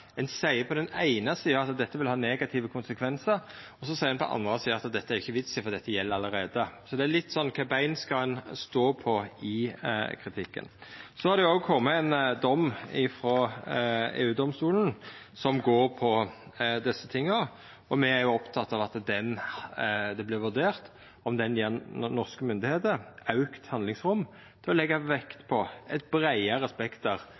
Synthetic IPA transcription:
ɛnsæɪəpʰɔd̪ɛnæɪnəsiːəɾɑt̪d̪ɛt̪ːəʋɪlhɑːneːɡɑt̪ʰɪʋəkʰʊnsəkʰʋɛnsəɾ | ɔsɔsæɪəɛnpʰɔ̰ʔɑ̰nd̪ɾəɑsiːəɾɑt̪d̪ɛt̪ːəæɾɪçːəʋɪt̪sɪfɔʁd̪ɛt̪ːəjɛlːəɾɑləɾeːd̪əsɔd̪ɛæɾlɪt̪ːsɔnːkʰɑːbæɪnskɑɛnst̪oːpʰɔɪkʰɾɪt̪ʰɪkːə̰nsɔhɑɾd̪ɛʊoːɡkʰɔmːəænd̪ɔmːɪfɾɔ | ḛːʉːd̪ɔmst̪uːln̩ | sɔmɡoːɾpʰɔd̪ɛsːət̪ʰɪŋːə | ɔmɛæɾjʊɔpt̪ʰɑt̪ːɑʋɑt̪d̪ɛn | d̪ɛblɪʋʉd̪eːʁt̪ | ɔmd̪ɛnjeɾnnɔʁskəmʏnd̪ɪheːt̪əɾɑʉkt̪hɑnd̪lɪŋsɾʊm | t̪ʰɪlɔlɛɡːɑʋɛkt̪pʰɔɛt̪̚bɾæɪəɾɛspɛkt̪əɾ

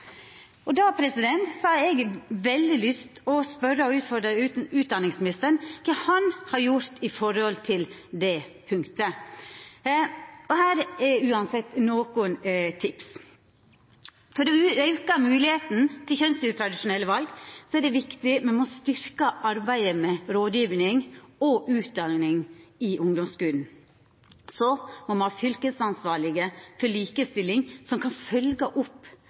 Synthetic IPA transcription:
ʔɔd̪ɑpʰɾɛsɪd̪ɛnt̪sɑɑɛɡʋɛld̪ɪlʏst̪ɔspœɾːəɔʉːt̪fɔɾɖəʉːt̪̚d̪ɑnɪŋsmɪnɪst̪əɾnkʰɛhɑnhɑɾjʊɾt̪ɪfɔɾɔlt̪ʰɪld̪ɛpʰʉŋkt̪ə | ɔhæːɾɛʉːɑnsɛt̪ːnoːkʊnt̪ʰɪps | fɔɾɔœʉkəmʉːlɪheːt̪n̩t̪ʰɪlçœnsʉt̪ʰɾɑd̪ɪʂʊnɛlːəʋɑlɡsɔæɖɛʋɪkt̪ɪmɛnmɔst̪ʏɾkəʔɑɾbæɪd̪əmɛɾoːd̪jiːʋnɪŋɔʔʉːt̪̚d̪ɑlnɪŋɪʔʊŋd̪ɔmskʉːln̩ | sɔmɔmɑnhɑfʏlkəsɑnsʋɑːɾɭɪɡəfɔɭiːkəst̪ɪlːɪŋsɔmkʰɑnfœlɡəʔʊpː

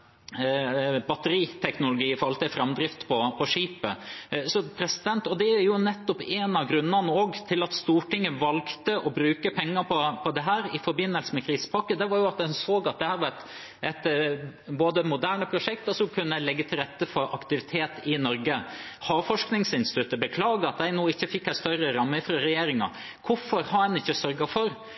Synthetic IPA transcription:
bɑt̪ːəɾiːt̪ʰɛknʊlʊɡiːfɔɾɑlt̪ɪfɾɑmd̪ɾɪft̪pʰɔpʰɔʂiːpə̰sɔpʰɾɛsɪd̪ɛnt̪ɔd̪ɛæjʊnɛt̪ːɔpeːnɑɡɾʉnːɑnəoːɡt̪ʰɪlɑt̪st̪uːʈɪŋːəʋɑlkt̪əʔɔbɾʉːkəpʰɛŋːəɾpʰɔpʰɔd̪ɛɦæːɾɪfɔɾbɪnːəlsəmɛkʰɾiːsə̥pʰɑkːəd̪ɛʋɑɾjʊɑt̪̚d̪ɛnsoːɡɑt̪̚d̪ɛhæːɾʋɑɾɛt̪ | ɛt̪boːd̪əmʊd̪æːɳəpʰɾʊʂɛkt̪ɔsɔkʰʉnːəlɛɡːət̪ʰɪlɾɛt̪ːəfɔɾʔɑkt̪ɪʋɪt̪ʰeːt̪ɪnɔɾɡəhɑːfɔʂknɪŋsɪnst̪ɪt̪ʉt̪ːəbəkʰlɑːɡəɑt̪̚d̪æɪnuːɪçːəfɪkːæɪst̪œɾəɾɑmːəfɾɑɾɛjeːɾɪŋɑ̰ | kʰʊfɔɾhɑɛnɪçːəsœɾɡɑfɔɾ

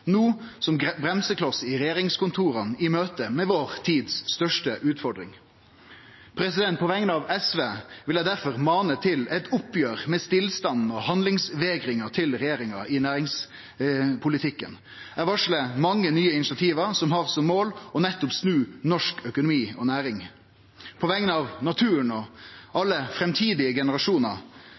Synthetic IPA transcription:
nuː | sɔmɡbɾɛmsəklɑsːəɪɾɛjeːɾɪŋskʊnt̪ʰuːɾənɪmøːt̪əmɛʋoːɾt̪ʰiːd̪sːt̪œʂʈəʔʉːt̪fɔɖɾɪ̰ŋ | pʰɾɛsɪd̪ɛnt̪̚pʰɔʋɛŋnəɑʋɛsʋeːʋɪljæɪd̪æɾfɔʁmɑːnət̪ʰɪlɛt̪ʰʊpːjøːɾmɛst̪ɪlst̪ɑnn̩ɔhɑnd̪lɪŋsʋeːɡɾɪŋɑt̪ʰɪlɾɛjeːɾɪŋɑɪnæːɾɪŋs | pʰʊlɪt̪ʰɪkːə̰n | æʋɑʂləmɑŋːənyːəɪnɪt͡ʃɑt̪ʰiːʋəɾsɔmɦɑɾsɔmːoːlɔnɛt̪ːʊpsnʉːnɔʂkœkʊnʊmiːɔnæːɾɪŋ | pʰɔʋɛŋənəɑʋnɑt̪ʰʉːəɳɔʔɑlːəfɾɛmt̪ʰiːd̪ɪəɡɛnəɾɑʂuːnə̰

